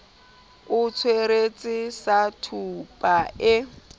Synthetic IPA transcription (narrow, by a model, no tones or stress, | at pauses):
ʊt͡sʰweɾet͡sʼɪsatʰupʼaɪ